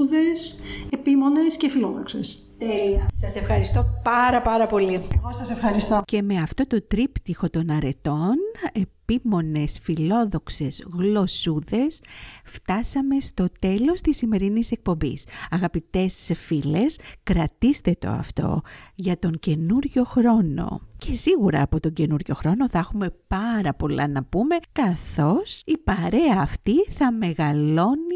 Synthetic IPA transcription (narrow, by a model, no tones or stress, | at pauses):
ðesepimo̞nescefiloðoksḛs | t̪eliɐsɐse̞fxɐɾist̪opɐɾɐpɐɾɐpo̞lieɣosɐsefxɐɾist̪oce̞me̞ɐft̪o̞t̪o̞t̪ɾipt̪ixo̞t̪o̞nɐɾe̞t̪o̞ne̞pimo̞ne̞sfilo̞ðo̞kse̞zɣlo̞suðe̞sft̪ɐsɐme̞st̪o̞t̪e̞lo̞st̪isime̞ɾinise̞k̚po̞mbḭsɐɣɐpit̪e̞sfile̞skɾɐt̪ist̪e̞t̪o̰ɐ̰ft̪o̞̰ʝɐt̪o̞ɲce̞nuɾʝo̞xɾo̞no̞̰ce̞siɣuɾɐ̰ːpot̪o̞ɲɟe̞nuɾʝo̞̰xɾo̞no̞θɐxume̞pɐɾɐpo̞lɐ̰nɐpume̞kɐθo̞sipɐɾe̞ɐːft̪iθɐme̞ɣɐlo̞ni